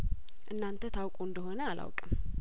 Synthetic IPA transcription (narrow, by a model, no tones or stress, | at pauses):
ʔɨnːant̪ʰət̪ʰawkʼuɨnd̪əɦo̞nəalʔa̰wkʼəm